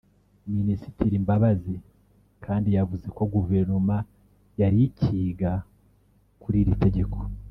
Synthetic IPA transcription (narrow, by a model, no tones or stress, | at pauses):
minisi̥tiɾimbaβazi | kʰaːndijavuze̞ko̞ɡuveɾnoma | jaɾiciːɡa | kuɾiɾite̞ɟe̞kʰo̥